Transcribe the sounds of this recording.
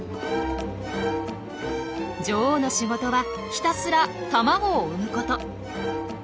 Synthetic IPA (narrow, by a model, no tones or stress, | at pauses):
d͡ʑoːno̞ɕiɡo̞t̪o̞βa | çʲi̥t̪asɨɾat̪amaɡoːɯmɯ̟ko̞t̪o̞